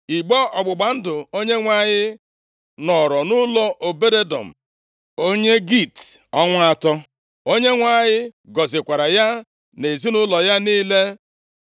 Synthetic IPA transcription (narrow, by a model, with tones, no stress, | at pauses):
i˨ɡ͡bɔ˦ɔ˨ɡ͡bʊ˨ɡ͡ba˨n̩˦dʊ˨o˦ɲe˦ŋʷa˦˨ɲɪ˦ | nɔ˨ɾɔ˨nʊ˦lɔ˦ʔo˨be˦de˦dɔ̰˨m̩˨ | o˦ɲe˦ɡi˦˨tɔ˦ŋʷa˦a˦˨tɔ˦ | o˦ɲe˦ŋʷa˨ɲɪ˦ɡɔ˨zɪ˨kʷa˨ɾa˨ja˦ | ne˨zi˦nʊ˦lɔ˨ja˦niː˦le˦